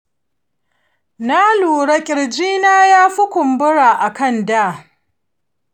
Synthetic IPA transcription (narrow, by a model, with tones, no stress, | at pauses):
na˦luː˨ɽa˦kʲʼɪ˨ɽd͡ʒiː˦naː˦jaː˦ɸʊ˦kʷʊ˨mbʊ˦ɽa˨ʔa˨kɐ˦˨ndaː˦˨